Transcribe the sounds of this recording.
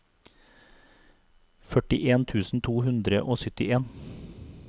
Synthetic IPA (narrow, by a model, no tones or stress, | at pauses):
fœʈɪʔeːnt̪ʰʉːsn̩t̪ʰuːhʉnd̪ɾəʔoːsʏt̪ɪʔeːn